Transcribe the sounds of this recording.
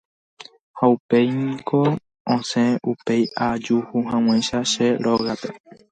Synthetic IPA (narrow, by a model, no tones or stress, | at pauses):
haupe̞jnĩko | õsẽʔupe̞jad͡ʒuhuɦãw̃ãjʃaʃeɾoɣape̞